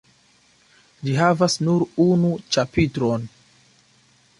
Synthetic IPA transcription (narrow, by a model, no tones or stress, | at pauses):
d͡ʒiɦavasnuɾunut͡ʃapitɾo̞n